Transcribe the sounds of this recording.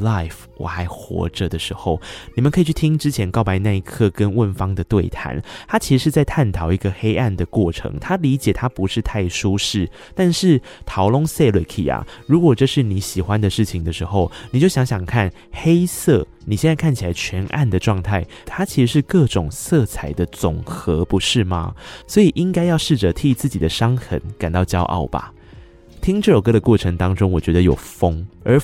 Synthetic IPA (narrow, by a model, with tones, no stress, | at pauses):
la˥˩ɪf | wɔ̰˨˩xa˧˥ɪxwɔ̰˧˥ʈ͡ʂə˨d̪ə˩ʂɻ̩˧˥xo˥˩ʊni˨˩mə˨nkʰi˨˩t͡ɕʰy˥˩t̪ʰi˥ŋʈ͡ʂɻ̩˥t͡ɕʰjɛ˧˥nkɑ˥˩ʊpa˧˥ɪ˧na˥˧i˧˥kʰɤ˥˧˩kə˦nwə˥˩nfɑ˥ŋd̪ə˨t̪we˥˩ɪt̪ʰa̰˧˦nt̪ʰa˥t͡ɕʰi˧˥ʂɻ̩˧˥ʂɻ̩˥˧t͡sa˥˧ɪt̪ʰa˥˩nt̪ʰɑ˨˩˦ʊi˧˥ɡə˧xe˥ɪa˥˩nd̪ə˩kwɔ˥˩ʈ͡ʂʰɤ̰˧˥ŋt̪ʰa˥li˧˥t͡ɕjɛ˨˩t̪ʰa˥pu˧˥ʂɻ̩˥˧t̪ʰa˥˩ɪʂu˥ʂɻ̩˥˩ | t̪a˥˧nʂɻ̩˥˩t̪ʰɑ˧˥ʊlʊ˥ŋse˥˩lwe˨˩kʰḭ˨˩a̰˨˩ɻu˧˥kwɔ˨˩ʈ͡ʂɤ˥˧ʂɻ̩˥˩ni˧˥ɕi˨˩xwa˦nd̪ə˨ʂɻ̩˥˩t͡ɕʰi˨ŋd̪ə˩ʂɻ̩˧˦xo˥˧ʊni˨t͡ɕjo˥˩ʊɕjɑ˧˥ŋɕjɑ˨˩ŋkʰa˥˩n | xe˥ɪsɤ˥˩ | ni˨ɕjɛ˥˧nt͡sa˥˧ɪkʰa˥˩nt͡ɕʰi˨˩a˧˦ɪt͡ɕʰɥɛ˧˥nʔa̰˥˩nd̪ə˩ʈ͡ʂwɑ˥˧ŋt̪ʰa˥˩ɪ | t̪ʰa˥t͡ɕʰi˧˥ʂɻ̩˧˥ʂɻ̩˥˧kɤ˥˩ʈ͡ʂʊ˨˩ŋsɤ˥˩t͡sʰa˨˩˦ɪd̪ə˧˦t͡sʊ˨˩ŋxɤ˧˦pu˧˥ʂɻ̩˥˩ma̰˩swɔ˧˥i˨˩ʔi˦ŋka˥ɪjɑ˥˧ʊʂɻ̩˥˩ʈ͡ʂə˨t̪ʰi˥˧˩t͡sɹ̩˥˩t͡ɕi˨˩d̪ə˦ʂɑ˥ŋxə̰˧˦˥nka˨˩nt̪ɑ˥˩ʊt͡ɕjɑ˥ʊʔɑ̰˥˩ʊba̰˨˩ | t̪ʰi˥ŋʈ͡ʂɤ˥˩o˨˩kɤ˥˧d̪ə˨kwɔ˥˩ʈ͡ʂʰɤ˧˦ŋt̪ɑ˥ŋʈ͡ʂʊ˥ŋwɔ˨˩t͡ɕɥɛ˧˦˥d̪ə˧jo̰˨˩ʊfɤ˥ŋə˞˧˥